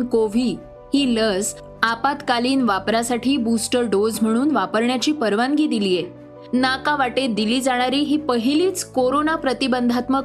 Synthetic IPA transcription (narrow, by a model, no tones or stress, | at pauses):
nkoʋiː | hiːləs | apat̪kaliːnʋapɾasaʈʰiːbusʈəɾɖod͡zm̤əɽ̃uːnʋapəɾɳjat͡ɕiːpəɾʋaŋɡiːd̪ilije | nakaʋaʈed̪iliːd͡zaɽ̃aɾiːɦiːpəɦiliːt͡skoɾonapɾət̪ibənd̪ʱat̪mə